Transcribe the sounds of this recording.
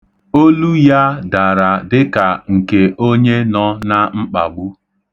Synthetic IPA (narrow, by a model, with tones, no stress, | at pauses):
o˦lu˦ja˦da˨ɾa˨dɪ˦ka˨ŋ̩˨ke˨o˦ɲe˦nɔ˦na˦ŋ͡m̩˦k͡pa̰˨ɡ͡bu˦